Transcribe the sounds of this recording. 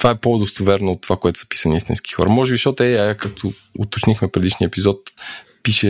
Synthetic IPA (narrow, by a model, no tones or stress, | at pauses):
t̪ovaɛpod̪ost̪ovɛɾnoot̪ːovakoɛt̪ʊ̥sɐ̥pi̥səniist̪ʲḭnski̥xɔ̰ɾɐmɔʒɛbiʃɔt̪ɛajakak̚t̪ʰo | ʊt̪ot͡ʃnixmɛpɾɛd̪iʃniəɛpizɔt̪ | piʃɛ